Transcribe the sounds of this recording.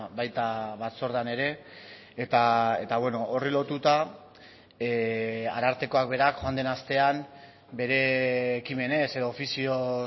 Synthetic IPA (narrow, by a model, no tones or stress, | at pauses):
bajt̪aβat̪so̞ɾðane̞ɾe̞ː | t̪ae̞t̪aβwe̞no̞ʔorilo̞t̪ut̪a | a̰ɾaɾt̪e̞ko̞ak̚be̞ɾakxo̞and̪e̞nast̪e̞am | be̞ɾe̞ːkime̞ne̞se̞ðoːfisio̞